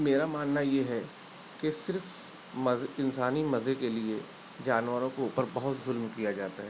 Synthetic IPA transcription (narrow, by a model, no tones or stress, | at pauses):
meːɾamaːnːajeɦɛ | kesɪɾf | mɐzɪnsaːnimɐzekelie | d͡ʒaːnʋəɾõkeuːpəɾbɐɦʊt̪zʊlmkijad͡ʒaːt̪aɦɛː